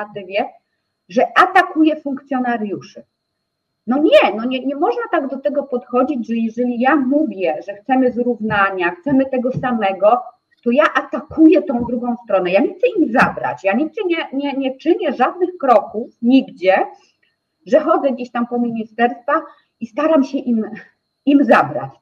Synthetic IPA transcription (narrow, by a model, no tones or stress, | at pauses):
at̪ɘvʲjɛ | ʐɛʔat̪akujɛfuŋk̚t̪sʲjɔnaɾjuʂɛ | nɔɲɛnɔɲɛɲɛmɔʐnat̪aɡd̪ɔt̪ɛɡɔpɔt̪xɔd͡ʑid͡ʑʐɛjɛʐɛlʲijamuvʲjɛʐɛxt̪sɛmɘzɾuvnaɲaxt̪sɛmɘt̪ɛɡɔsamɛɡɔ | t̪ɔjaʔat̪akʰujɛt̪ɔ̃w̃d̪ɾuɡɔ̃w̃st̪ɾɔnɛjaɲɛxt̪sɛimzabɾa̰t͡ɕjaɲiɡ̚d͡ʑɛɲɛɲɛɲɛt͡ʂɘɲɛʐad̪̚nɘxkɾɔkufɲiɡd͡ʑɛ | ʐɛxɔd̪zɛɡd͡ʑeɕt̪ampɔmʲiɲist̪ɛɾst̪fa | ist̪aɾamɕɛʔim | imzabɾa̰t͡ɕ